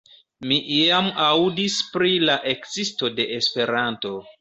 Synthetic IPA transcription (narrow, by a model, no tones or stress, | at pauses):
miʔiamawdispɾilaʔekzisto̞de̞ʔespe̞ɾanto̞